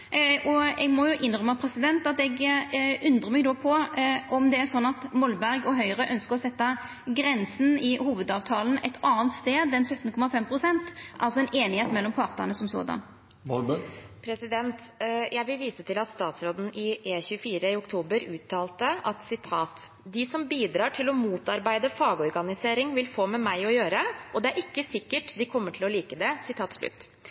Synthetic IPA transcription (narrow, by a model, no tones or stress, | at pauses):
ʔɔɛɡmɔjʊʔɪnʁœmɑpʰɾɛsɪd̪ɛnt̪ɑt̪ɛɡʉnd̪ʁəmɛɡd̪oːpʰɔʔɔmd̪ɛæʁsɔnːɑt̪mɔlbæʁɡɔɦœʏʁəʔœnskəʁɔsɛt̪ːɑ | ɡɾɛnsn̩ɪhuːʋəd̪ɑːʋt̪ʰɑːln̩ɛ̰t̪ʰɑːnt̪st̪eːd̪ɛnsœt̪n̩kʰɔmɑfɛmpʰʁʊsɛnt̪ʔɑlsɔɛnʔeːnɪheːt̪mɛlːɔmpʰɑʁt̪ɑnəsɔmso̰ːd̪ɑ̰n | ʋɔlbəpʰɾɛsɪd̪ɛnt̪ | jæɪʋɪlʋiːsət̪ʰɪlɑt̪st̪ɑːt̪sɾoːd̪n̩ɪʔeːçʉəfiːɾəɪʊkt̪ʰuːbəɾʉːt̪ʰːɑːlt̪əʔɑt̪sɪt̪ʰɑːt̪ | d̪ɪsɔmbiːd̪ɾɑːʈʰɪlɔmuːt̪ɑɾbæɪd̪əfɑːɡəɔɾɡɑnɪseːɾɪŋʋɪlfoːmɛmæɪɔjøːɾəʔɔd̪ɛæɾɪkːəsɪkːəʈd̪ɪkʰɔmːəʈʰɪlɔliːkəd̪ɛsɪt̪ʰɑːt̪ʂɭʉ̰t̪ː